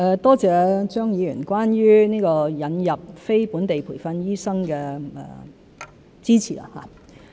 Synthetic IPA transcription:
ʔɛ˧t̪ɔː˥t͡sɛː˨˧t͡ʃœː˥ŋjiː˨˧jy̰ː˨˩nkwaː˥nɥyː˥niː˥kɔː˧jɐ˨njɐ˨p̚fe˥jpuː˨˥nt̪e˨jpʰṵː˨˩jfɐ˧njyː˥sɐ˥ŋkɛ˧ɛ̰ː˨˩ | t͡siː˥t͡sʰḭ˨˩a̰˧˥ha̰ː˨

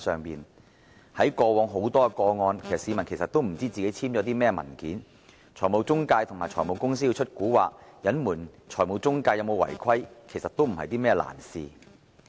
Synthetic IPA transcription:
sœː˨ŋpiː˨n | hɐ˨˥jkɔː˧wɔː˨˧ŋɦo˨˥wt̪ɔː˥˧kɔː˧ŋɔː˧nkʰe˨˩sɐ˨tsi˨˧mɐ˨˩nkʰe˨˩sɐ˨˩t̪o˥wm̩˨˩t͡siː˥t͡siː˨ke˨˥jt͡sʰiː˥mt͡sɔː˨˥t̪̬iː˥mɛː˥mɐ̰˨˩nkḭː˨˥n | t͡ʃʰɔː˨˩mo˨˧wt͡sʊ˥ŋkaː˧jt̪ʰʊ˨˩ŋmaː˨jt͡ʃʰɔː˨˩jmo˨˧wkʊ˥ŋsiː˥ji˧wt͡ʃʰɵ˥t̚kuː˨˥waː˨k̚jɐ˨˥nmuː˨˩nt͡ʃʰɔː˨˩jmo˨˧wt͡sʊ˥ŋkaː˧jɐ˨˧wmo˨˧wɐ̰˨˩jkʰɐ˥jkʰe˨˩jsɐ˨t̚t̪o˥wm̩˨˩hɐ̰˨jt̪iː˥mɛː˥˩la̰ː˨˩nsḭː˨

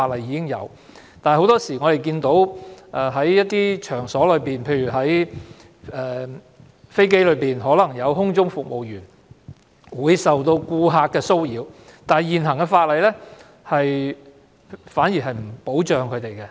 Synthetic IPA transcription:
faː˧t̚lɐ˨jːiː˨˧kɪ˥ŋjɐ̰˨˧w | t̪aː˨n˨ho˧˥wt̪ɔː˥siː˨˩ŋɔ˨˧ɾe˨˩jk̬iː˧nt̪o˨˥wʔɛ˨˧ɦɐ˨˥jjɐ˥t̚t̪iː˥t͡ʃʰœː˨˩ŋsɔː˨˥lɵ˨˧˥piː˨˩npʰe˧jyː˨˩ɦɐ˨˥j | ɛː˨˧ | fe˥jke˥jlɵ˨˧ɥpiː˨nɦɔː˨˥lɐ˨˩ŋjɐ˨˧wɦʊ˥ŋt͡sʊ˥ŋfʊ˨k̚mo˨wjyː˨˩n | wuː˨˧jsɐ˨wt̪o˧wkuː˧ɦaː˧t̚kːɛː˧so˥wjiː˨˧wt̪aː˨jiː˨˩nɦɐ˨˩ŋkɛ˧faː˧t̚lɐ˨jlɛː˥ | hɐ˨j | faː˨˥njiː˨˩ɦɐ˨jm̩˨˩po˨˥wt͡ʃœː˨ŋkʰɵ˨˧t̪e˨jkɛ˧

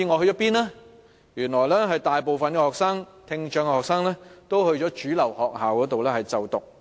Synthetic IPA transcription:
iː˧ŋɔː˨˧hɵ˧jɔː˨˥piː˥nlaː˥ | jyː˨˩nlɔː˨˩jlɛː˥ɦɐ˨jt̪aː˨jpo˨wfɐ˨nkɛː˧hɔː˨k̚saː˥ŋt̪ʰɪ˧ŋt͡ʃœ˨˧ŋkɛ˧hɔː˨ksaː˥ŋlɛː˥t̪o˥whɵ˧ɥt͡ʃɔː˨˥t͡ʃyː˨˥lɐ˨˩whɔː˨k̚ɦaː˨wkɔː˨˥t̪o˨wlɛː˥hɐ˨jt͡sɐ˨wt̪ʊ˨k̚

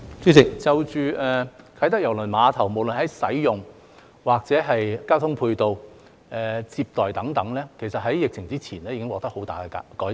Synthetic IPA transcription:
t͡sy˥sɪ˨k̚t͡sɐ˨wt͡ʃyː˨˧ʔɛː˨kʰɐ˨˥jt̪ɐ˥k̚jɐ˨˩wlɵ˨˩nmaː˨˧t̪ʰɐ˨˩wmo˨˩wlɵ˨nɦɐ˨˥jsɐ˨˥jjʊ˨ŋ | waː˨k̚t͡sɛː˨˥ɦɐ˨jkaː˥wt̪ʰʊ˥ŋpʰuː˧jt̪o˧w | ɛː˨t͡siː˧p̚t̪ɔː˨jt̪ɐ˨˥ŋt̪ɐ˨˥ŋlɛː˥kʰe˨˩jsɐ˨t̚ɦɐ˨˥jjɪ˨k̚t͡sʰɪ˨˩ŋt͡siː˥t͡sʰiː˨˩nɛː˥jiː˨˧kɪ˥ŋwɔː˧k̚t̪ɐ˥ho˨˥wt̪aː˨jkɛ˧a̰˨˧kɔː˨˥j

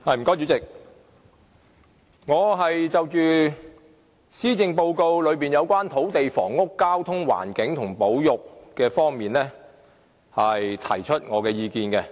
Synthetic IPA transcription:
hɐ˨jm̩˨˩kɔː˥t͡ʃyː˨˧˥t͡sɪ˨k̚ | ŋɔː˨˧ɦɐ˨jt͡sɐ˨wt͡ʃyː˨ | siː˥t͡sɪ˧ŋpo˧wko˧wlɵ˨˧ɥpiː˨njɐ˨˧wkʷaː˥nt̪ʰo˨˥wt̪e˨jfɔ̰ː˨˩ŋːʊ˥kːaː˥wt̪ʰʊ˥ŋwa̰ː˨˩nkɪ˨˥ŋt̪ʰʊ˨˩ŋpo˨˥wjʊ˨k̚kɛː˧fɔː˥ŋmiː˨nlɛː˥ | hɐ˨jt̪ʰɐ̰˨˩jt͡ʃʰɵ˥t̚ŋɔː˨˧kɛː˧jiː˨˧kiː˨˧nkɛ˧

